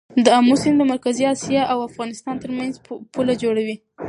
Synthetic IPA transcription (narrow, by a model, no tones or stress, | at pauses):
d̪əamusɪnd̪əmaɾkaziɑsjɑʔawafɣɑnɪst̪ɑnt̪əɾmanzpulad͡ʒoɽawi